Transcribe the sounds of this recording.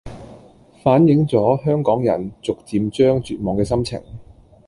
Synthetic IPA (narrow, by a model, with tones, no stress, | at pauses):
faː˨˥njɪ˨˥ŋt͡sɔː˨˥ɦœː˥ŋkɔː˨˥ŋjɐ̰˨˩nt͡sʊ˨k̚t͡siː˧mt͡ʃœː˥ŋt͡ʃyː˨˩t̚mɔː˨ŋkɛː˧sɐ˥mt͡sʰɪ̰˨˩ŋ